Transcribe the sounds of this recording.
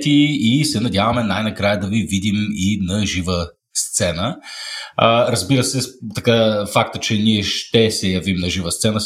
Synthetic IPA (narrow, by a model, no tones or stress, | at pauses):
t̪iːsɛnɐd̪javɐmɛnajnɐkɾajəd̪ɐvivid̪iminɐʒivə | st̪sɛnə | əɾɐzbiɾəsɛt̪ɐkafakt̪ət͡ʃɛniɛʃt̪ɛsɛjɐvimnɐʒivəst̪sɛnə